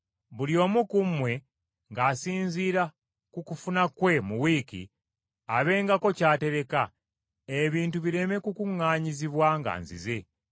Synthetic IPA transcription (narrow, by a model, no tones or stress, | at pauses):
βuljo̞ːmukumwe̞ | ŋɡaːsiːnziːɾa | kukufunakwe̞muwikḭ | aβe̞ːŋɡako̞caːte̞ɾe̞ka | eβiːntuβiɾe̞me̞kukuŋːaːɲiziβwaŋɡa̰ːnzḭze̞